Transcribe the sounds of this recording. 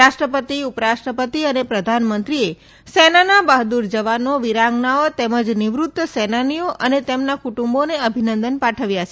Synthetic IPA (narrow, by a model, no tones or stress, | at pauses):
aʃʈɾəpət̪iupəɾaʃʈɾəpət̪iənepɾəd̪ʱanmənt̪ɾie | senanabəɦd̪uɾd͡ʒəʋanoʋiɾaŋɡnaot̪eməd͡ʒnɪʋɾut̪ːəsɛnanioʔʔənet̪emnakuʈũmboneəbʱinənd̪ənpaʈʰəʋjaʃe